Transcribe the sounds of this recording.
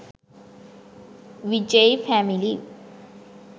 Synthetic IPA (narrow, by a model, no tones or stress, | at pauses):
ʋid͡ʒejfæmili